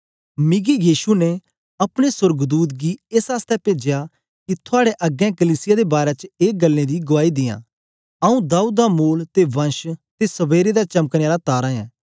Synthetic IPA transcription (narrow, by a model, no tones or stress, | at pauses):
mɪɡijiːʃunɛ | ɐpɽ̃esʊɾɡd̪uːt̪̬̚ɡieːsaːst̪ɛpeːd͡ʒeja | kit̪ʰʊaːɽeʔɐɡɛ̃kəliːsɪjad̪ebaːɾɛt͡ʃeːɡɐlːẽd̪iɡʊaːid̪ɪjã̰ː | ɐũd̪aːuːd̪̚damoːlt̪eʋɐ̃nʃt̪esɐbeːɾed̪at͡ʃɐməkneːaːlat̪aːɾãɛ̃ː